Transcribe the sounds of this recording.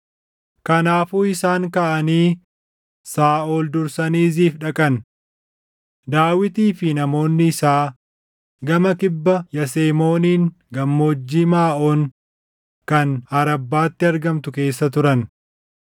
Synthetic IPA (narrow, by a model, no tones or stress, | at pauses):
kɐnaːfuːɪsaːŋkaʔɐniː | saːʔoːld̪ʊɾsɐniːziːfᶑɐkʼɐn | d̪aːwɪt̪iːfɪnɐmo̞ːnːɪɪsaː | ɡɐmɐkɪbːɐjɐseːmo̞ːniːŋ | ɡɐmːoːd͡ʒːiːmaːʔoːŋ | kɐnɐɾɐbːaːt̪ːɪɐɾɡɐmt̪ʊke̞ːsːɐt̪ʊɾɐn